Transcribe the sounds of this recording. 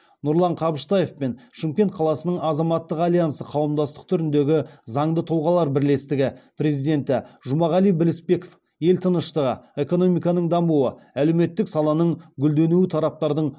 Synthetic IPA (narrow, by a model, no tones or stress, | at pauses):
nʊɾlˠɑɴqʰɑbəʃt̪ɑjefpe̞nʃɪmkʲe̞nt̪̚qʰɑlˠɑsənəɴɑzɑmɑt̪ːəqɑlijansəqʰɑwəmd̪ɑst̪ə̥q̚t̪ʰʏɾɪnd̪e̞ɡʲɪzɑɴd̪ət̪ʰʊlˠʁɑlˠɑɾbɪɾle̞st̪ɪɡʲɪpɾe̞zijd̪e̞nt̪ɪʒʊmɑʁɑlˠijbɪlɪspe̞ko̥f | je̞lt̪ʰənəʃt̪əʁə̰e̞ko̞no̞mijkɑnəɴd̪ɑmuə | æleme̞t̪ːɪksɑlˠɑnəɴɡʲʏld̪e̞nuwɪt̪ʰɑɾɑp̚t̪ɑɾd̪əɴ